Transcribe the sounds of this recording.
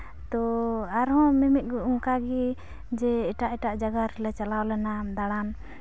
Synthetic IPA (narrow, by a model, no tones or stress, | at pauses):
t̪ɔaɾɦɔ̃mɛmɛt̚ˀɡuŋkaɡi | d͡ʒɛːʈaʔɛʈaʔd͡ʒaɡaɾɛlɛt͡ʃalawlɛnad̪aɽan